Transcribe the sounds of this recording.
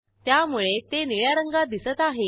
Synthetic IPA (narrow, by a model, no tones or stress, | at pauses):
t̪jamuɭet̪eniɭjaɾəŋɡad̪isət̪aɦe